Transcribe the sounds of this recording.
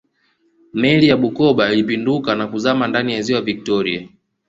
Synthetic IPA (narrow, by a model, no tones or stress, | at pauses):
mɛlijaɓukɔɓailipindukanakuzamandanijaziwaavik̚tɔɾia